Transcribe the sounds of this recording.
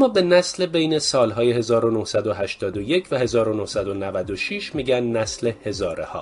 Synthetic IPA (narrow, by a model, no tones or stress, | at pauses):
mːɒːbe̞næslebejnesɒːlɦɒːjeɦe̞zɒːɾonohsæd̪oɦæʃt̪ʰɒːd̪oje̞cʰvæhe̞zɒːɾonohsæd̪o̞nævæd̪o̞ʃiːʃmiːɟænːæsle̞he̞zɒːɾehɒ̰ː